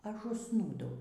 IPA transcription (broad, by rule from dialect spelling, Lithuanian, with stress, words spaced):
ˈɐʃ ʊʃˈsnuːdɐʊ